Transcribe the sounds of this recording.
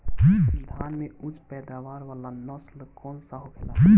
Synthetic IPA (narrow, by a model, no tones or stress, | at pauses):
d͡ʒiəd̪ʱaːnmeud͡ʒpɛd̪aʋaɾʋalanəslkɔːnsəɦokʰelad͡ʒi